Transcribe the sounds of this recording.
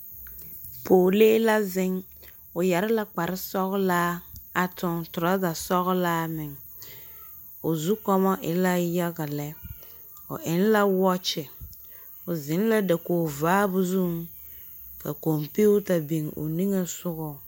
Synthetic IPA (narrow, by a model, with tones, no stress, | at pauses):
pʰoː˨leː˦la˦zɪ˦ŋ | ʊ˨ja˨ɾɪ˦la˦k͡pa˨ɾɪ˦sɔ˦ɣʊ˦laː˦a˨tʊ˦ŋtʊ˨ɾa˦ɡa˨sɔ˦ɣʊ˦laː˦mɪ˨ŋ | ʊ˨zu˦kɔ˦mɔ˦ʔɪ˨la˦ja˦ɡa˨lɛ˦ | ʊ̰˨ʔɪ˨˦n˦la˦wɔ˦t͡ʃɪ˨ | ʊ˨zɪ˨˦n˦la˦da˨koː˨vaː˦bʊ˦zu˦˨ŋ | ka̰˨ko˨mpe˦ʊ˦ta˨be˨ŋʊ̰˨ni˦ŋe˦sʊ˦ɣʊ˨